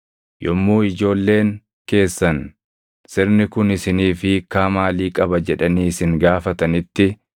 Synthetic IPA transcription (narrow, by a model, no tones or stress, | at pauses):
jʔɔmːuːɪd͡ʒo̞ːlːe̞ːŋ | ke̞ːsːɐn | sɪɾnɪkʊnɪsɪniːfɪkaːmaːliːkʼɐbɐd͡ʒɛᶑɐniːsɪŋɡaːfɐt̪ɐnɪt̪ːɪ